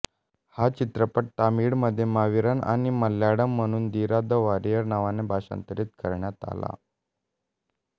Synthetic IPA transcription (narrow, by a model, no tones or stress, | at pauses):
hat͡ɕit̪ɾəpəʈʈamiɽməd̪ʱːjemaʋiɾəna̰ñiməlːjaɽəm̤ːəɽ̃uːnd̪iɾad̪əʋaɾijəɾnaʋanebʱaɕa̰nt̪əɾiːt̪̚kəɾɳjat̪a̰la̰